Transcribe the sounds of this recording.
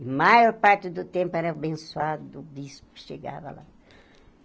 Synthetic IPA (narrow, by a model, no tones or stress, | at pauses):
imajɔɾpaɾt̪ɪd̪ʊt̪ẽmpʊɛɾɐbẽsuad̪d̪ubiskɪ̥ʃeɡa̰vɐ̰la̰